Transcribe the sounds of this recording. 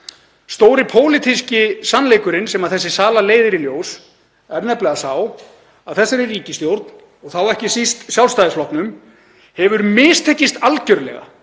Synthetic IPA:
st̪oːwɾɪpʰoːwlɪt̪ʰiscɪsanːlejkʏɾɪnsɛmaðθɛsːɪsaːlaleːjðɪɾiljoːws | ɛɾnɛplɛɣasaw | aðθɛsːaɾɪriːcɪst̪jowɾt̪̚n | ɔɣθawɛhcɪsist̪sjawlst̪ajðɪsflɔhpnʏm | hɛvʏɾmɪːst̪ʰɛhcːɪst̪alcœɾlɛ̰ɣa̰

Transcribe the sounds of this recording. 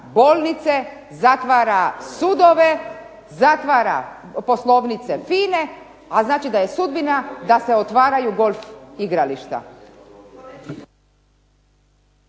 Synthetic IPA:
bo̞ːlˠnit̪se̞ | zat̪ʋaːɾasud̪o̞ʋe̞ | zat̪ʋaːɾa̰ | po̞slˠo̞ʋnit̪se̞fiːne̞ | aznaːt͡ʃid̪aje̞sud̪̚binad̪ase̞ot̪ʋaːɾajuɡo̞lʲfiɡɾaliʃt̪a̰

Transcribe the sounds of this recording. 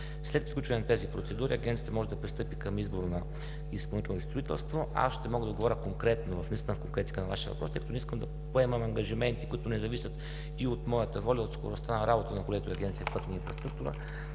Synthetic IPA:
slɛt̪p̪klut͡ʃvɐnɛnɐt̪ɛzipɾot̪sɛd̪uɾiɐɡʲɛnt̪siət̪mɔʒɛd̪ɐpɾist̪ɤpikəmizboɾnɐ | ispɐlˠnit̪ɛlnist̪ɾoit̪ɛ̰lˠst̪voa̰sʃt̪ɛmɔɡəd̪ɐod̪ɡovɾəkoŋkɾɛt̪novɐfnist̪inəfkoŋkɾɛt̪i̥kənɐvaʃiəvɐ̰pɾɔsɛjkət̪onɛiskəmd̪ɐ | poɛməmɐŋɡɐʒimɛnt̪ikʊit̪ʊnɛzɐvisʲət̪ | iot̪mɔjət̪əvɔlʲɐot̪sko̰ɾost̪anɐɾʔabot̪ənɐkolɛt̪oiɐɡʲɛnt̪sijəfpɤt̪ninfɾɐst̪ɾuk̚t̪uɾə̰

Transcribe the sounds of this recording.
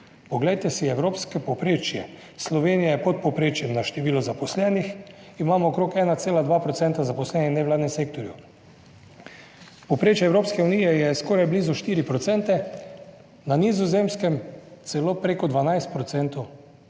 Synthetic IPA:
pɔɡlɛjt̪ɛsiɛwɾoːpskɛpopɾeːt͡ʃjɛ | slɔʋeːnijajɛpɔt̪̚pɔpɾeːt͡ʃjɛmnaʃt̪ɛʋiːlɔzapɔslɛnix | imaːmɔːkɾokɛːnat̪seːlad̪ʋaːpɾɔt̪sɛnt̪azapɔslɛnɛnɛʋlaːd̪nɛmsek̚t̪ɔɾju | popɾet͡ʃjɛːwɾoːpskɛunijɛjɛskoːɾajbliːzɔʃt̪iːɾipɾɔt̪sɛnt̪ɛ | nanizɔzemskɛmt̪sɛloːpɾekɔd̪ʋanajst̪pɾɔt̪sɛnt̪o

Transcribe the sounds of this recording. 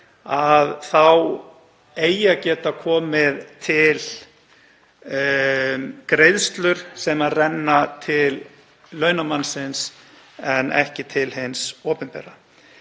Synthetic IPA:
aðθaw | eːjacɛːt̪akʰɔːmɪðt̪ʰɪl | kɾejðst̪lʏɾ̥sɛmaðrɛnːat̪ʰɪlː | œːɥnamansɪns | ɛnɛ̰hcɪt̪ʰɪlɦɪnsoːpɛnpɛ̰ːɾa

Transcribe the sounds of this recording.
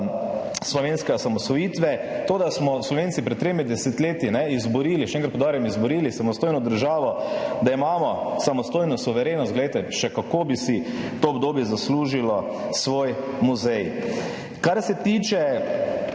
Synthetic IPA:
slɔʋeːnskɛɔsamɔsʋɔjiːt̪ʋɛ | t̪oːd̪asmɔslɔʋeːntsipɾɛt̪ːɾemid̪ɛset̪leːt̪inɛizbɔɾiːliʃɛ̃ŋkɾat̪pod̪aːɾjɛmizbɔɾiːlisamɔst̪oːjnɔd̪əɾʒaːʋɔd̪aimaːmɔsamɔst̪oːjnɔsuʋɛɾeːnɔst̪ɡlɛjt̪ɛʃɛkakoːbisit̪oːbd̪oːbjɛzasluːʒilɔ | sʋoːj | muzɛj | kaɾsɛt̪iːt͡ʃɛ

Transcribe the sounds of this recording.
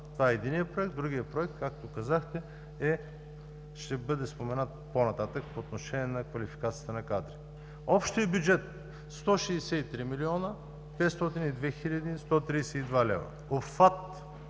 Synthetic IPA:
t̪ovaɛɛd̪inijəpɾoɛk̚t̪d̪ɾuɡijəpɾoɛk̚t̪kakt̪okɐzaxt̪ɛ | ɛ | ʃt̪ɛbɤd̪ɛspomɛnat̪̚ponɐt̪at̪əkpoːt̪noʃɛnʲiɛnɐkvɐlʲifi̥kat̪sijət̪ənɐkad̪ɾi | ɔpʃt̪iɛbjud͡ʒɛt̪ | st̪ɔʃiːsɛit̪ɾimiliɔnə | pɛt̪st̪ɔt̪inid̪vɛxiʎʲɐd̪ist̪ɔt̪ɾisɛid̪valɛ̰vɐ̰ | offat̪

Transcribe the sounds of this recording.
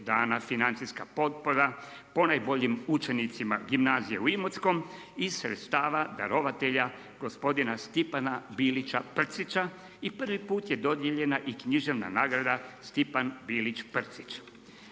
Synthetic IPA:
d̪aːnafinant̪siskapo̞t̪̚poɾa | po̞najbo̞ʎimut͡ʃe̞nit̪sima̰ɡimnaːzijeuimot̪sko̞m | isɾet̪st̪aːʋad̪a̰ɾo̞ʋat̪e̞ʎa | ɡ̥o̞spo̞d̪inast̪ipanabiːlit͡ʃapr̩t̪sit͡ʃa | ipr̩ʋipuːt̪je̞d̪o̞d̪jeʎe̞naʔikɲiʒe̞ʋna̰naːɡɾad̪ast̪ipanbiːlit͡ʃpr̩t̪si̥t͡ʃ

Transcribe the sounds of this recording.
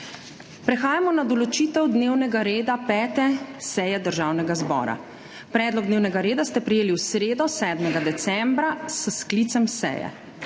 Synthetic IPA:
pɾɛxaːjamɔnad̪ɔlɔt͡ʃit̪ɛwd̪neːwnɛɡaɾeːd̪apɛːt̪ɛsɛjɛd̪əɾʒaːwnɛɡazbɔ̰ːɾa̰ | pɾɛːd̪lɔɡ̚d̪neːwnɛɡaɾeːd̪ast̪ɛpɾɛjeːliwsɾeːd̪ɔsɛːd̪mɛɡad̪ɛt̪sɛmbɾasəskliːt̪sɛmsɛ̰jɛ̰

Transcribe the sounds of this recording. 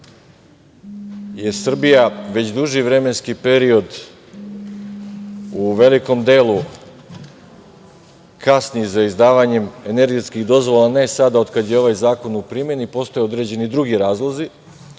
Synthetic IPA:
je̞sr̩bijaʋe̞t͡ɕd̪uʒiʋɾe̞me̞nskipe̞ɾio̞d̪ | uʋe̞liko̞md̪e̞ːlu | kasnizaizd̪aːʋaɲe̞me̞ne̞ɾɡeskiɣd̪o̞zʋo̞lane̞sad̪ao̞d̪kad̪jeo̞ʋajzaːko̞nupɾimje̞nipo̞st̪o̞jeo̞d̪ɾe̞d͡ʑe̞nid̪ɾuɡiɾaːzlˠozi

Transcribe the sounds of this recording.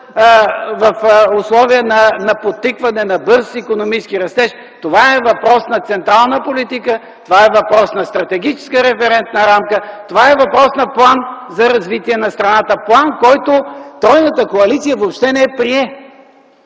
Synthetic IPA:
vɐfʊslˠɔviənɐnɐpot̪ːikvɐnɛnɐbɤɾsikonomit͡ʃɛskiɾɐst̪ɛʃ | t̪ovaɛvɐpɾɔsnɐt̪sɛnt̪ɾalˠnəpolit̪ikə | t̪ovaɛvɐpɾɔsnɐst̪ɾɐt̪ɛɡ̟it͡ʃɛ̥skəɾɛfɛɾɛnt̪nəɾamkət̪ovaɛvɐpɾɔsnɐplˠanzɐɾɐzvit̪iɛnɐst̪ɾɐnat̪əplˠankɔjt̪ʊt̪ɾɔjnət̪əkoɐlit̪sijəvoːpʃt̪ɛnɛɛpɾiɛ

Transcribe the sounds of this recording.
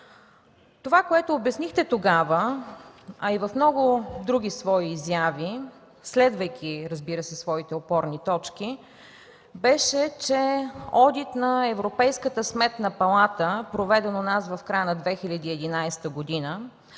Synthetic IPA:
t̪ovakoɛt̪oːbjɐsnixt̪ɛt̪oɡavə | ɐivɐfmnɔɡʊd̪ɾuɡ̟ʲisvɔiːzjavi | slɛd̪vəjk̟ʰʲiɾəzbiɾəsɛsvɔit̪ɛopɔɾnit̪ɔt͡ʃk̟i | bɛʃɛt͡ʃɛɔd̪it̪nɐɛvɾopɛjskət̪əsmɛt̪nɐpɐlˠat̪əpɾovɛd̪ɛnonasvɐfkɾajənɐd̪vɛxilʲəd̪iːɛd̪inajst̪əɡod̪inə

